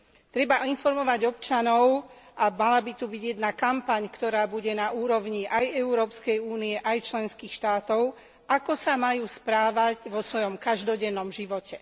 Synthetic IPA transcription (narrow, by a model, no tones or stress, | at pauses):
t̪ɾɛbainfɔɾmɔʋaɟɔpt͡ʃanɔʊʔamalabit̪ubiɟjɛd̪nakampaɲkt̪ɔɾaːbuɟɛnauːɾɔʊɲiʔajɛuɾɔːpskɛjuːniɛʔajt͡ʃlɛnskiːxʃt̪aːt̪ɔʊ | ʔakɔsamajuːspɾaːʋaɟʋɔsʋɔjɔmkaʒd̪ɔɟɛnːɔmʒiʋɔcɛ